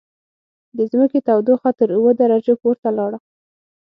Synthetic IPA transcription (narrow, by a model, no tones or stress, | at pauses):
d̪əzməket̪awd̪oxat̪əɾuwəd̪aɾad͡ʒopoɾt̪alɑɽa